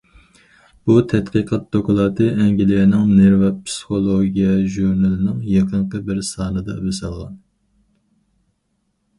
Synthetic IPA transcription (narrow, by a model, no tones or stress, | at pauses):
b̥ut̪ʰɛt̪qiqʰɑt̪̚d̪okulˠɑt̪ʰɨʔɛŋɡʲilɪɪnɪŋneɾvɑpʰsɨ̥χolˠoɡʲijɛʒuɾnɑlɪnɪŋjeqʰəɴqəbɪɾsɑːnɨd̪ɑ̰besɨlˠʁɑ̰n